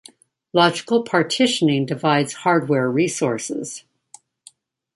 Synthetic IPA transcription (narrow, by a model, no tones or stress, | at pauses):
lɑd͡ʒɨkl̩ˠpʰɑɹtʰɪʃɨnɪ̃ŋdɨvaɪdz̥hɑɹd̚wɛɹɹisɔɹsɪ̰z̥